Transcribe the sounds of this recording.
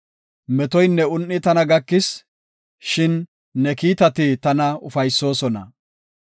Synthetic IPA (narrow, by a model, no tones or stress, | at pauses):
mɛt̪ɔjnːɛʊnːɪt̪ɐnɐɡɐkːɪs | ʃɪnː | ɛkiːt̪ɐt̪ɪt̪ɐnɐʊfɐjsːo̞ːsɔnɐ̰